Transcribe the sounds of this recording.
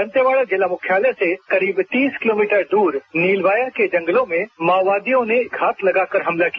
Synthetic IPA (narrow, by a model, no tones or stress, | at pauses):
ə̃nt̪jəʋaːɭad͡ʒɪlamʊkʰjaːləsekɐɾiːbt̪iːskɪloːmiːʈəɾɖ̪uːɾniːlʋaːjaked͡ʒɐ̃ŋɡəlõmẽmaːʋaːd̪ijõneɡʱaːt̪lɐɡaːkəɾɦɐmlakija